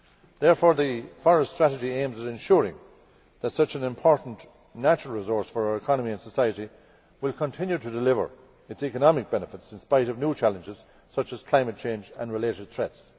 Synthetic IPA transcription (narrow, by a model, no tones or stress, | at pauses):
ðɛɹfɔːɹðəfɔɹəststɹ̥æɾɨd͡ʒiẽɪ̃mzəzɨ̃nʃʊɹɪ̰̃ŋ | ðətsʌt͡ʃə̃nɪ̃mpʰɔɹʔn̩ | næt͡ʃɹəl̩ˠɹɪzɔɹsfə˞aʊəɹɪkʰɑnəmiə̃nsəsaɪəɾi | wɪlˠkʰə̃ntʰɪ̃njuɾədɪlɪvə̰˞ | ɨtsikənɑmɪk̚b̥ɛnəfɪtsɪ̃nspaɪɾʌvnjut͡ʃʰælə̃nd͡ʒɪz̥ | sʌt͡ʃəz̥kʰl̥ãɪ̃mət̚t͡ʃʰẽɪ̃nd͡ʒə̰̃nɹɪleɾɨd̥̪̚θɹɛts